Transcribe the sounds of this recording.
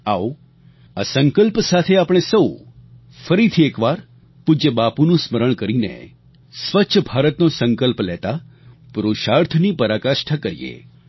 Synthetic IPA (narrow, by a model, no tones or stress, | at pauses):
ao | asəŋkəlpsat̪ʰeapɽ̃esəw | fəɾit̪ʰiekʋaɾ | pud͡ʒəbapunũsməɾəɳ̃kəɾinḛ | sʋətːʃʰəbʱaɾət̪nosəŋkəlplɛt̪a | pɾoʃaɾt̪ʰnipəɾakaʃʈʰakəɾḭḛ